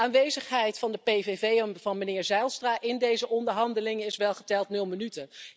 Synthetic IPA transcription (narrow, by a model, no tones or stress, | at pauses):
aːnʋejzəχɦɛjtfɑndəpejvevejvɑnmənɪːɹzɛjlˠstraːʔɪndejzəʔɔndəɹɦɑndəlɪŋəɪsʋɛlˠχə̥tɛlˠtnɵlˠmənytə